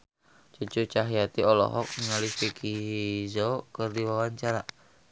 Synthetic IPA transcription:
t͡ʃut͡ʃut͡ʃaɦijat̪iɔlɔ̰ɦɔk̚ŋalifikizɔkərdiwawaɲt͡ʃaɾa

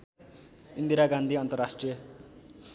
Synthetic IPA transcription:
ind̪iɾaɡand̪ʱiʌnt̪ʌrasʈrijʌ

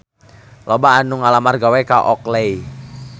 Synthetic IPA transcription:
lɔbaːnuŋalamarɡawɛkaʔɔ̰klej

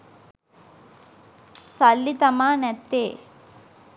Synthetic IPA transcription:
sɐlːit̪ɐmaːnɛt̪ːeː

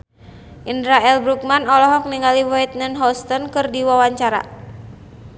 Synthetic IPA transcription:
ʔindɾaɛlbɾuk̚manɔlɔɦɔk̚miŋaliwɔɛt̪̚nənɦɔst̪ɔnkɨrdiwawaɲt͡ʃaɾa̰

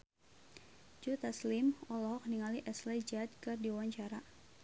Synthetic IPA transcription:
d͡ʒut̪aslimɔlɔɦɔk̚niŋaliʔɛslɛd͡ʒat̪̚kɨrdiwaɲt͡ʃaɾa

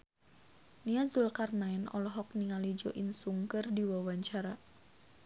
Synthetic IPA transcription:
niazulkarnaɛnɔ̰lɔɦɔk̚niŋalid͡ʒoʔinsuŋkərdiwawaɲt͡ʃaɾa

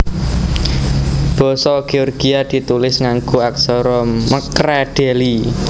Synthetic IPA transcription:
b̥ɔ̤sɔɡ̥eɔrɡ̥iad̪̥i̤t̪ulɪsŋaŋɡuaksɔɾɔmːəkɾɛɖ̥eli

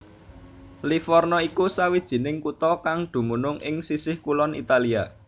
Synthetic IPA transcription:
lifɔrnɔikusawid̥ʒ̥i̤nɪŋkut̪ɔkaŋd̪̥ṳmunʊŋʔɪŋsisɪhkulɔnḭt̪alia

